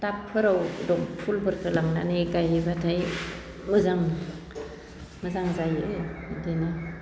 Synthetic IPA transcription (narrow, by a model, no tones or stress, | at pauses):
tapʰːɯɾawdɔmpʰulbɯɾkʰɯlaŋna̰nekajbatʰaj | mɯzaŋ | mɯzaŋzajedenɯ